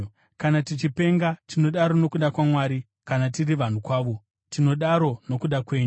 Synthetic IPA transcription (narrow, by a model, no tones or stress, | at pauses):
kanatit͡ʃipe̞ŋɡatino̞ɗaɾo̞no̞kuɗakwamwaːɾi | kanat̬iriʋan̤ukwaːʋo̞ | tino̞ɗaɾo̞no̞kuɗakwe̞ːɲu